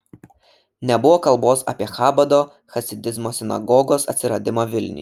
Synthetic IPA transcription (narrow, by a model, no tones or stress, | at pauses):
nʲɛbʊʋoːkɐlˠboːsɐ̰ːpʲiɛxɑːbɐd̪oː | xɐsʲɪd̪ʲɪzmoːsʲɪnɐ̰ɡɔːɡoːsɐt̪ʲsʲɪɾɐd̪ʲɪmoːʋʲɪlʲnʲɪ̰j